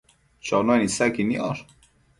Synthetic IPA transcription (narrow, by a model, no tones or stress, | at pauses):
t͡ʃɔnonisækiniɑɾ